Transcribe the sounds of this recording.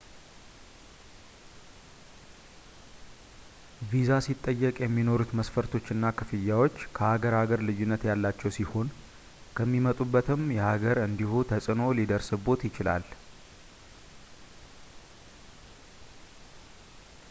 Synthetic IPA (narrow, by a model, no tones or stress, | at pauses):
vizasit̪ʼːəjːɛkʼjɛmːino̞ɾut̪məsfəɾt̪ʰo̞t͡ʃːɨnːakʰɨfɨjːawo̞t͡ʃːkʰəhaɡəɾhaɡəɾlɨjːunːət̪jalːat͡ʃːɛwsiho̞n | kʰəmːimət̪ʼubːət̪ɨmjɛhaɡəɾɨnd̪ihut̪ʰəsʼɨno̞lid̪əɾsɨbo̞t̪jɪt͡ʃɪla̰l